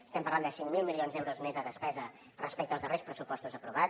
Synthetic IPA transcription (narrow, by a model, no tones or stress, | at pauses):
əst̪ɛmpəɾland̪əsiŋmilˠmilˠionzðɛwɾuzmezəðəspɛzə | rəspɛkt̪əlzðərespɾəsupɔst̪uzəpɾuβa